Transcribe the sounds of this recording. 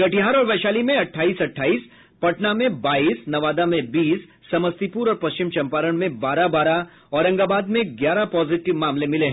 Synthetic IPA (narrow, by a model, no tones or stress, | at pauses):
ɡɐʈiɦaːɾɔːɾʋɛːʃaːlimẽɐʈʰːaːiːsɐʈʰːaːiːs | pɐʈnamẽbaːiːsnɐʋaːd̪amẽbiːsː | ɐməst̪ipuːɾɔːɾpɐst͡ʃɪmt͡ʃɐ̃mpaːɾəɽ̃mẽbaːɾabaːɾa | ɔːɾɐ̃ŋɡaːbaːd̪mẽɡjaːɾapɔːzɪʈɪʋmaːmlemɪleɦɛ̃